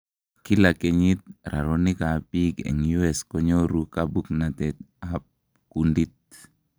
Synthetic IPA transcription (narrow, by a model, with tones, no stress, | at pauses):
ki˦la˨ke˨ɲi˦t̪̚ɾʔa̰˨ɾo˦ni˦ka˨pi˦kḛ˨ŋju˦ɛ˨skɔ˦ɲo˦ɾu˦kabu˦kna˨t̪ɛt | a˦p̚ | ku˨ndi˦t̪̚